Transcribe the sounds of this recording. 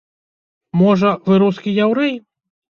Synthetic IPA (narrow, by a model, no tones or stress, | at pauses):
mɔʐɐvɨɾuskʲijawɾɛj